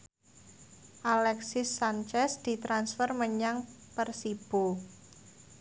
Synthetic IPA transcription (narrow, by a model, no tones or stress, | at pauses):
ʔalɛksɪsːant͡ʃɛsd̪̥i̤t̪ɾansfərməɲaŋpərsib̥o